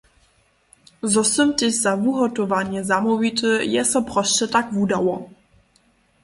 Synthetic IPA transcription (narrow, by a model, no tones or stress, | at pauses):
zɔsəmt̪ɪzavuɦɔt̪ɔvaɲjɛzamɔvit̪əjɛsɔpɾɔst͡ɕɛt̪akvud̪awɔ